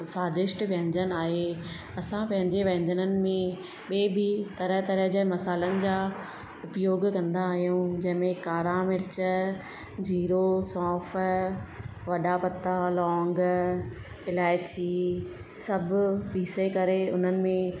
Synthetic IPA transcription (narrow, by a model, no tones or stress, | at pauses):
saːd̪ɪʃʈʋɐ̃ɦɪ̃ɲd͡ʑənɪaːɦe | ɐsãpɐ̃ɦɪ̃ɲd͡ʑeʋɐ̃ːɲdənənɪ̆mẽ | ɓeːbɪt̪ɐɾəɦt̪ɐɾəɦd͡ʑemɐsaːlənɪ̆d͡ʑaː | ʊpjoːɡkɐ̃nd̪aːɦijũd͡ʑɐ̃ɦɪ̃mẽkaːɾamɪɾt͡ɕə | d͡ʑiːɾosɔːf | ʋɐɗapɐt̪alɔ̃ːŋɡ | ɪlaːɪt͡ɕiː | sɐbʱʊpiːsekɐɾeʊn̤ənɪ̆mẽ